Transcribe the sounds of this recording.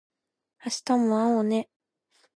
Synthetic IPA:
aɕi̥t̪amoãone

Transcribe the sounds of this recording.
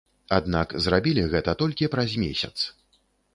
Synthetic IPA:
ad̪nakzrabʲilʲiɣɛt̪ɐt̪ɔlʲkʲipɾazʲmʲesʲɐt̪s

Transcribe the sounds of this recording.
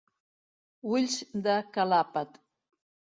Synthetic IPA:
wuʎʲsd̪akalapat̪ʼ

